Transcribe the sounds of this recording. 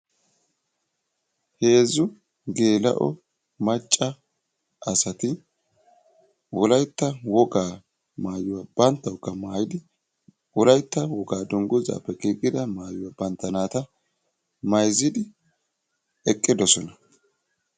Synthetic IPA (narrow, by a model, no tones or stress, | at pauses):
he̞ːzʊ | ɡe̞ːlɐ̰ʔɔ̰ | mɐt͡ʃʼːɐ | ʔɐsɐt̪ɪ | wɔlɐjt̪ːɐwɔɡaː | maːjʊwab̥ɐnt̪ːɐwkːɐmaːjɪd̪ɪ | wɔlɐjt̪ːɐwɔɡaːd̪ɔŋɡʊza̰ːpːɛkiːkʼːɪd̪ɐmaːjʊwaːbɐnt̪ːɐnaːt̪ɐ | mɐjzɪd̪ɪ | ɛkʼːɪd̪ɔsɔnɐ